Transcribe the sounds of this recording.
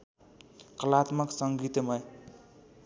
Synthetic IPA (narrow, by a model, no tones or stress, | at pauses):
kʌlat̪mʌksʌŋɡit̪emʌj